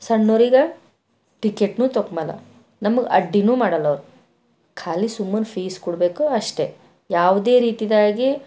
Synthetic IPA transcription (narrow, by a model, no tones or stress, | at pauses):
sɐɳːoːɾiɡɐ | ʈikeʈnuːt̪okːmalɐ̰ | nɐmɐɡeʔɐɖːinuːmaːɽɐlːɐʋɾu | kʰaːlisumːɐnpʰiːskuɽbe̞ːkuɐʂʈe̞ | jaːʋd̪e̞ːɾiːt̪id̪aːɡi